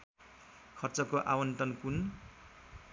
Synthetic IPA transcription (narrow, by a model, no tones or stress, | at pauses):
kʰʌrt͡sʌkoʔa̰wʌnt̪ʌnkun